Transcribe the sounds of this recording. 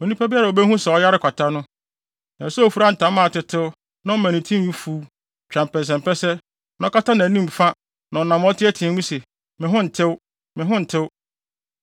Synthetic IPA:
o˨nĩ˦pʰa˦bi˦a˦ɾa˨o˨be˦hũ˦sɛ˨ɔ˦ja˦ɾɪ˦kʰʷa˨tʰa˦nʊ̃˦ | nã˨sɔ˦˨fu˨ɾa˦n̩˨tʰã˨˦mã˦˨tɪ˨tʰɪ˦wʊ˦ | nã˦m̩˦mæ̃˨nĩ˨tʰĩ˦m˦ũ˦fuː˦ | t͡ɕᶣã˨m˨pɛ˨s̬ɛ̃˨mpɛ˦sɛ˦ | nɔ̃˦ka˦ta˦nã˨nĩ˦mfã˦ | nã˨ɔ˨nã˨m˦ɔ˦tʰɪ˦ɛ˦tʰɪ̃˨˦ɲũ˦sɛ˨ | mɪ̃˨ɦʊ̃˦n̩˨tʰɪ˦w | mɪ̃˨ɦʊ̃˦n̩˨tʰɪ˦w

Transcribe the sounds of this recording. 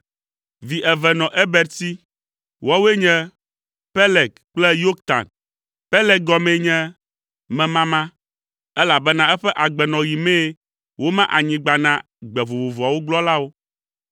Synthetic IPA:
vi˨ʔɛ˨vɛ˨nɔ̃˨ʔɛ˦bɛ˨ɾt̪i˦ | wa˦we˦ɲɛ̃˦ | pɛ˦lɛ˨kɡ̚ | k͡plɛ˦jo˦k̚t̪a̰˨n | pɛ˦lɛ˨˦k̚ɡɔ˦mɛ̃˨ɲɛ̃˦ | mɛ̃˨mã˦mã˦ | ɛ˦la˨bɛ˦nã˦ɛ˦ɸɛ˦ʔa˨ɡ͡bɛ˨nɔ̃˨ji˨mɛ̃˦ | wo˦mã˦ʔa˨ɲĩ˨ɡ͡ba˨nã˦ | ɡ͡bɛ˨vo˨vo˨vo˨a˨wo˦ɡ͡blɔ˦la˦wo˦

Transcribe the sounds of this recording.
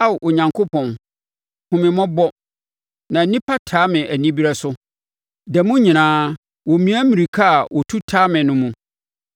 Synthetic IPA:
a˦wʔo˨ɲã˨ŋkʰo˦pʰɔ̃˨n | hʊ̃˨mɪ̃˨mɔ̃˦bɔ˦ | nã˨˦nĩ˦pʰa˦tʰaː˨˦mɪ̃˨ʔæ˨nĩ˦bi˦ɾa˦sʊ˦ | dɛ˨mũ˦ɲĩ˨nãː˦ | wɔ˨mĩ˨˦æ˦mĩ˨ɾi˨kʰa˦˨wɔ˨tʰu˦tʰaː˦mɪ̃˨nʊ̃˦mũ˦

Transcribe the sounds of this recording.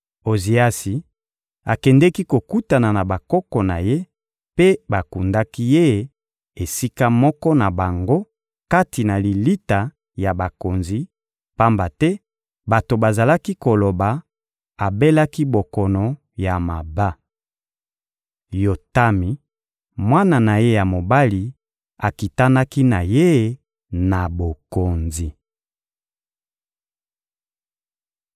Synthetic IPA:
o˨zi˨a˦si˨ | a˨kɛ˨ndɛ˦ki˦ko˨ku˦ta˨na˨na˨ba˨kɔ˦kɔ˨na˨je˦ | pe˦ba˨ku˨nda˦ki˦je˦e˦ | e˨si˦ka˦mɔ˦kɔ˦na˨ba˨ŋɡo˦ | ka˦ti˨na˨li˨li˦ta˨ | ja˨ba˨ko˨nzi˨ | pa˦mba˨tɛ˦ | ba˨to˨ba˨za˨la˦ki˦ko˨lo˨ba˨ | a˨be˦la˦ki˦bo˨kɔ˨nɔ˨ | ja˨ma˨ba˦ | jo˨ta˦mi˨ | mwa˦na˨na˨je˦ja˨mo˨ba˦li˨ | a˨ki˨ta˦na˦ki˦na˨je˦˨ | na˨bo˨ko˨nzi˨

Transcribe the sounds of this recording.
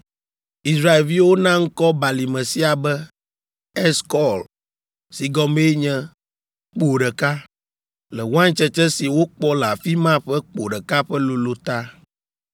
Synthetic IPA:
i˨sɾa˦e˨lvi˦wo˦nã˦ŋ̩˦kɔ˦ba˨li˨mɛ̃˨si˦a˨bɛ˦ | ɛ˦skɔ˦l | si˨ɡɔ˦me˦ɲɛ̃˦ | k͡po˨ɖɛ˨ka˦ | lɛ˨wã˦ŋ˦t͡ʃɛ˦t͡ʃɛ̃˦si˨wo˦k͡pɔ˦la˨fi˦mã˦ɸɛ˦k͡po˨ɖɛ˨ka˦ɸɛ˦lo˨lo˦t̪a˦

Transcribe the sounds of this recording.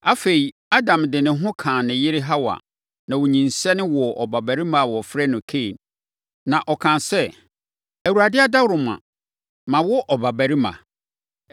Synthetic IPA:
a˦fe˨i˨ | a˦dã˨mdɪ˨nɪ̃˨ɦʊ̃˦kʰãː˨nɪ̃˨jɪ˦ɾɪ˦ɦa˦wa̰˨ | nã˨wʊ˨ɲĩ˨nsɛ˦nɪ̃˦wɔ˨ʔɔ˨ba˨bæ˨ɾi˦mã˨wɔ˨fɾɛ˦nʊ̃˨kʰe˦˨n | nã˨ʔɔ˨kʰã˨nsɛ˦ | æ˨wu˨ɾa˨dɪ˦a˦da˦wɾʊ˨m˨ã̰˨ | mã˨wɔ˦ʔɔ˨ba˨bæ˨ɾi˦mã̰˨

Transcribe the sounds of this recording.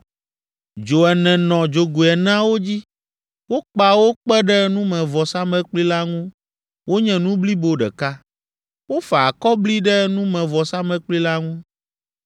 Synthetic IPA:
d͡ʒo˨ɛ˨nɛ̃˨nɔ̃˨d͡ʒo˨ɡu˨ɛ˨nã˦wo˦d͡ʑi˦ | wo˦k͡pa˨wo˦k͡pɛ˦ɖɛ˦nũ˦mɛ̃˨vɔ˨sa˦mɛ̃˦k͡pli˦la˦ŋũ˦ | wʔo˦ɲɛ̃˨nũ˦bli˦bo˦ɖɛ̰˨ka˦ | wo˦fa˨kɔ˦bli˦ɖɛ˦nũ˦mɛ̃˨vɔ˨sa˦mɛ̃˦k͡pli˦la˦ŋũ˦

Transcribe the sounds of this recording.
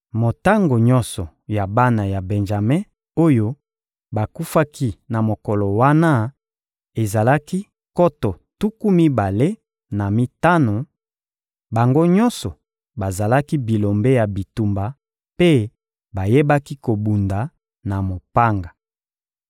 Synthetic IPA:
mo˨ta˦ŋɡo˨ɲɔ̃˦nsɔ˨ | ja˨ba˦na˨ja˨be˨nʒa˨me˦ | o˦jo˦ | ba˨ku˦fa˦kʰi˦na˨mo˨kɔ˨lɔ˨wa˦na˦ | e˨za˨la˦ki˦ | kɔ˦tɔ˨ | tu˦ku˦mi˦ba˨le˦ | na˨mi˦ta˦no˨ | ba˨ŋɡo˦ɲɔ̃˦nsɔ˨ | ba˨za˨la˦ki˦bi˨lo˨mbe˦ja˨bi˨tu˨mba˨ | pe˦ | ba˨je˦ba˦ki˦ko˨bu˨nda˨ | na˨mo˨pa˦ŋɡa˨

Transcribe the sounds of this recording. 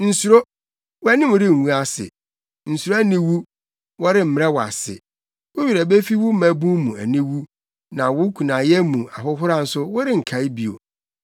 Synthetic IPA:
n̩˨su˨ɾo˦ | wʊ˦æ˦nɪ̃˦mʊ˨ɾɪ˦˨ŋ̩˨wũ˦a˨sɪ̰˨ | n̩˨su˨ɾo˦æ˦nĩ˦wu˦ | wɔ˦ɾɪ˦m̩˦m˦ɾɛ˦wa̰˨sɪ̰˨ | wʊ˦ɥi˨ɾɛ˨be˦fi˦wʊ˦m̩˦mæ̃˨bũ˦mũ˨æ˨nĩ˦wu˦ | nã˨wʊ˦kʰũ˨nã˨jɛ˦mũ˨a˨ɦʊ˦ɦʊ˦ɾa˦n̩˨sʊ˦wʊ˦ɾɪ˦ŋ̩˨kʰa˨˦ɪ˦bi˨o̰˨

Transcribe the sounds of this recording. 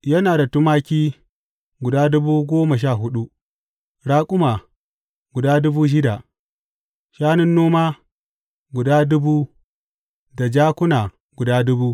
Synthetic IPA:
jɐ˦naː˨da˨tʊ˦maː˦kʲiː˦ | ɡʷʊ˨daː˦dʊ˦buː˦ɡʷoː˦mɐ˨ʃ̬aː˦˨ɦʊ˦ɗu˦ | ɽaː˦kʷʼʊ˦ma˨ | ɡʷʊ˨daː˦dʊ˦buː˦ʃ̬ɪ˦da˨ | ʃaː˦nɪ˦nːoː˦maː˦ | ɡʷʊ˨daː˦dʊ˦buː˦ | da˨d͡ʒaː˦kʷʊ˦naː˨ | ɡʷʊ˨daː˦dʊ˦buː˦

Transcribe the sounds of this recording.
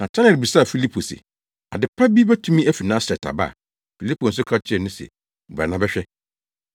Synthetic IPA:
nã˨t͡ɕʰɛ˦nɛ˨bi˨sa˦˨fi˦li˦pʰo˨sɪ̰˨ | a̰˨dɪ˨pʰːa˦bi˦bɛ˦tʰũ˦mĩ˦æ˦fi˨nã˦sɾɛ˨tʰa̰˨ba̰˦˨ | fi˨li˦pʰo˨n̩˨s̬ʊ˦kʰa˦t͡ɕʰɪ˦ɛ˦˨nʊ̃˦sɛ̰˨ | bɾɛ˨nã˨˦bɛ˦ɕᶣɛ˦

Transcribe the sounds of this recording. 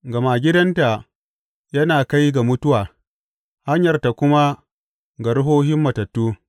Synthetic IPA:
ɡɐ˨ma˨ɡʲɪ˦dɐ˦nta˨ | jɐ˦naː˨ka˦jɡa˨mʊ˦tʊ˦waː˨ | ha˦ɲjɐ˨rta˨kʷʊ˦ma˦ | ɡa˨ɽʊ˦ɦoː˦hɪ˦mːɐ˨tɐ˨tːuː˦

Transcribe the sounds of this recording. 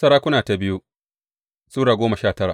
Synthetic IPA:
sɐ˦ɾaː˦kʷʊ˦naː˨ta˨bɪ˦ju˦ | sʼuː˦ɽaː˨ɡʷoː˦mɐ˨ʃaː˦˨tɐ˦ɾa̰˨

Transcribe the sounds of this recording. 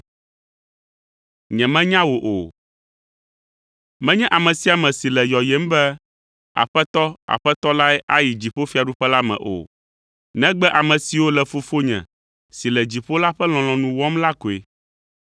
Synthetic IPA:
ɲɛ̃˨mɛ̃˦ɲã˦wo˨ʔo˨ | mɛ̃˦ɲɛ̃˦ʔa˨mɛ̃˨si˦a˨mɛ̃˨si˨lɛ˨jɔ˨jɛ˦m˦bɛ˦ | a̰˨ɸɛ˦t̪ɔ˦a̰˨ɸɛ˦t̪ɔ˦la˦ɛ˦ʔa˦ji˨d͡ʑi˨ɸo˦fi˦a˨ɖu˦ɸɛ˦la˦mɛ̰̃˨ʔo̰˨ | nɛ̃˦ɡ͡bɛ˦ʔa˨mɛ̃˨si˨wo˦lɛ˨fo˨fo˦ɲɛ̰̃˨ | si˨lɛ˨d͡ʑi˨ɸo˦la˦ɸɛ˦l̃ɔ̃˨lɔ̃˨nũ˨wɔ˦mla˦ko˨e˨

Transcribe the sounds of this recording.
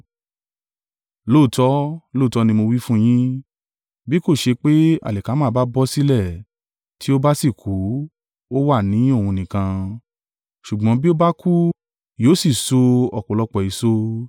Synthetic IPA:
lo˦˨tɔ˦lo˦˨tɔ˦nĩ˧mo˧wi˦fũ˦j̃ĩ˦ | bi˦ko˦˨ʃe˧k͡pe˦a̰˨lɛ˨ka˨˦mãː˦˧˦ba˦bɔ˦si˦lɛ˦˨ | tʰi˨˦o˦ba˦si˦˨kʰu˨˦ | o˦wa˦˨nĩ˨˦o˦˨hũ˧nĩ˨kã˧ | ʃu˨ɡ͡bɔ̃˨˧˦bi˦o˦ba˦ku˦ | joː˨˦si˦˨so˧ɔ˨k͡pɔ˨lɔ˧k͡pɔ˨i˨so˦

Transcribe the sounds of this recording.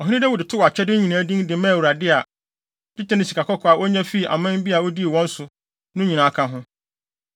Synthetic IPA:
ɔ˨ɦĩ˦nĩ˦dɛ˦wʊ˨dɪ˨tʰɪ˦wɔ˨a˨t͡ɕʰɛ˦dɪ̃˦ɲĩ˨nãː˨˦dĩ˦ŋdɪ˨˦mɛ̃˦˨wɾa˨dɪ˦a˨ | dɪ˦tɛ˦nɪ̃˨si˨kʰa˨kʰɔ˦kʰɔ˨a˨wʔɔ˦ɲɛ̃˦fi˦˨ʔa̰˨mã˦m˦bi˦a˨wɔ˦di˦e˨wɔ̃˦n̩˦sʊ˨ | nʊ̃˦ɲĩ˨nã˨˦kʰã˦ɦʊ̃˦

